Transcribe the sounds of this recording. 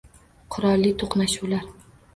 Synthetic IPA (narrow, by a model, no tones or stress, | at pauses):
qʰʊɾɒlˠːɪt̪ʰoqnaʃuwlaɾ